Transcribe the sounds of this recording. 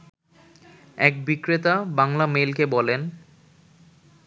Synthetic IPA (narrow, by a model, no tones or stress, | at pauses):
ɛk̚bikɾet̪abaŋlamelkebɔlen